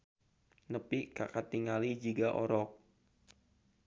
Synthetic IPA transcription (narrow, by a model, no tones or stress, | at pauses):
nəpikakat̪iŋalid͡ʒiɡaʔɔɾɔk̚